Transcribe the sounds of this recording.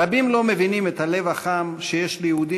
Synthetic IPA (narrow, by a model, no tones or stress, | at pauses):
abimlo̞mevinimet̪hale̞vaχamʃejeʃlejeud̪i